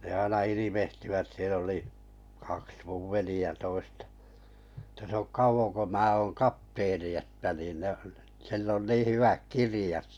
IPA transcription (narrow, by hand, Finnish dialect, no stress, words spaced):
ne ɑinɑ iliʋehtiʋæt siel oli kɑks muʋ ʋeliæ toistɑ̥ ĕtæ s ok kɑuʋoŋ ko mæː oŋ kɑpteːni etːæ niːn ne silː on niː hyʋæk kirĭjɑt